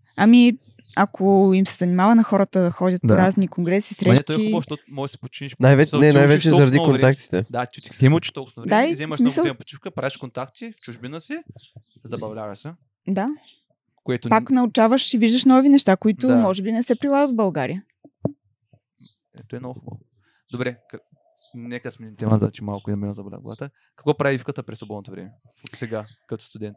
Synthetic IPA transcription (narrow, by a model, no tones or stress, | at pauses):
ɐmi | ɐkʰoimsɛ̥zɐnimavɐnɐxɔɾət̪əd̪ɐxɔd̪ʲət̪p̪oɾaznikoŋɡɾɛsisɾɛʃk̪ɔiʃɔmɔɡəsi̥pot͡ʃiniʃnajvɛt͡ʃnɛnajvɛt͡ʃɛzɐɾɐd̪ikonak̚t̪i̥t̪ɛd̪at̪ʲit̪i̥t̪imut͡ʃi̥ʃt̪ɔksnod̪aizɛmɐʃsmisəlˠpo̥t͡ʃifkəpɾaɛʃkont̪akt̪ift͡ʃuʒbinəsi | zɐbɐvlʲavɐsɛ | d̪a | koɛt̪ʊpaknɐʊt͡ʃavəʃiviʒd̪əʃnɔvinɛʃt̪akoit̪ʊmɔʒɛbinɛsɛpɾilˠaɡət̪vbɐlˠɡaɾḭə | ɛ̰t̪ɔɛnɔɡʊxubə̰v | d̪obɾɛk | nɛkəsmɛnʲit̪ɛmə̰t͡ʃimalˠkʊinɐminzɐbɐvla̰ɡl̰ˠa̰t̪ə | kɐ̥kvɔpɾaviifkət̪əpɾɛsvobɔd̪not̪ovɾɛ̰mɛsɛɡakɐt̪ɔ̥st̪ʊd̪ɛnt̪